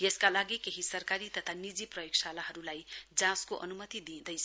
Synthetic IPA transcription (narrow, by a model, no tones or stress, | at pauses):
jeskalaɡikeɦisʌrkaɾit̪ʌt̪ʰanid͡ziprʌjoksalaɦʌɾulajd͡zãskoʔʌnumʌt̪id̪id̪ʌjsʰ